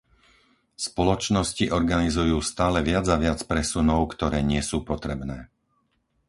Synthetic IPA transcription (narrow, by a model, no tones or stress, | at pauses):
spɔlɔt͡ʃnɔsciʔɔɾɡanizujuːst̪aːlɛʋɪad͡zaʋɪat͡spɾɛsunɔʊkt̪ɔɾɛːɲɪɛsuːpɔt̪ɾɛbnɛː